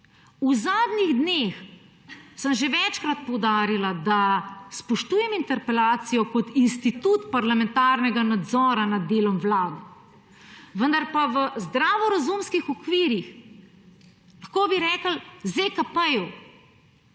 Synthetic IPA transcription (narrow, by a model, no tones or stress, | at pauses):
uzaːd̪niɣd̪neːx | səmʒeʋɛt͡ʃkɾat̪̚pɔwd̪aːɾilad̪aspɔʃt̪uːjɛmint̪ɛɾpɛlaːt̪sijɔkɔt̪inst̪it̪ut̪paɾlamɛ̃nt̪aːɾnɛɡanad̪zɔːɾanad̪ːeːlɔmʋlaːd̪ɛ | ʋənd̪aɾpaʋəzd̪ɾaːʋɔɾazumskixɔkʋiːɾix | laxkoːbiɾɛːkəlzekapəju